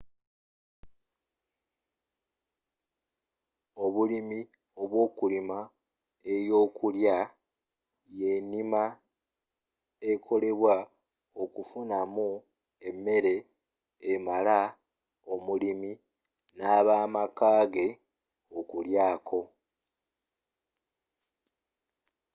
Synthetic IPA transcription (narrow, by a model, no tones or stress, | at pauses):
o̞βulimi | o̞βwo̞ːkulima | ejo̞ːkulja | je̞nima | ekʰo̞le̞βwa | okufunamu | e̞mːe̞ɾe̞ː | mala | o̞mulimi | naːβaːmakaːɡe̞ | okuljaːkʰo̞